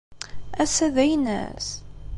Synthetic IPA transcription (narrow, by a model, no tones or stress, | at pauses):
æsæðæjnæ̰s